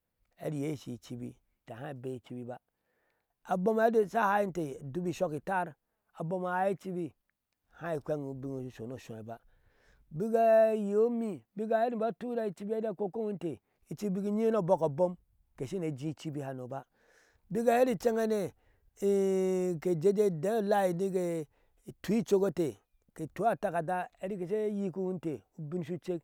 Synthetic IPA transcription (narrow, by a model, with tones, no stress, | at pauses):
ḛ˨ɾi˨je˦˨ʃḭ˨t͡ʃi˦bḭ˦˨ | ta˨hã˦i˨be˦i˨t͡ʃi˦bi˦ba˦ | a˨bo˦ma˦de˦sa˦ha˦i˦te˨du˦bi˦˨ʃo˦ki˨ta˦ɾ | a˨bo˦ma˨a˦i˦t͡ʃi˦bi˦ | hã˦i˨kʷe˦ŋu˨bi˦ŋ˨ʃo˨no˨ʃõ˨e˨ba˦ | bi˦ɡa˦je˨o˦mi˦bi˦ɡa˨e˦ɾi˦˨˦a˦tu˦ɾa˦i˦t͡ʃi˦bi˦e˦da˦˨ko˦ko˦ŋ˦n˦te˨ | i˨t͡ʃi˦bi˦ki˦ɲi˦no˦˨bo˦ko˨bo˦m | ke˨ʃi˦ne˨d͡ʒĩ˦˨t͡ʃi˦bi˦ha˨no˨ba˦ | bi˦ɡa˨je˦ɾi˦t͡ʃe˦ŋe˦ne˨˦ | ke˨d͡ʒe˦d͡ʒe˦de˦la˦i˨ni˦ke˨ | tu˨˦i˦t͡ʃo˦ɡo˦te˨ | ke˨tu˨˦a˦ta˦ka˨da˦e˨ɾi˦ke˨s̬e˦ji˦ku˦wu˦nte˨u˦bi˦n˦ʃu˦t͡ʃe˦k